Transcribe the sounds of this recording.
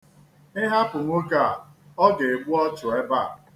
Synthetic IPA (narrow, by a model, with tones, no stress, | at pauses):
ɪ˦ɦa˦pʊ˨ŋʷo˦ka˦˨ɔ˦ɡe˨e˨ɡ͡bʊ˦ɔ˦t͡ʃʊ˨e˦ba˦˨